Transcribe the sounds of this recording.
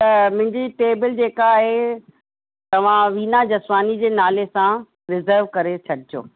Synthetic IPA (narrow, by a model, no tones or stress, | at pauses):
t̪ɐmʊ̃ɦɪ̃ɲd͡ʑiʈeːbɪld͡ʑeːkaːɦe | t̪ɐʋ̤ãʋiːnad͡ʑɐsaːnid͡ʑeːnaːlesã | ɾɪzəɾʋkɐɾet͡ɕʰɐɖɪd͡ʑo̰ː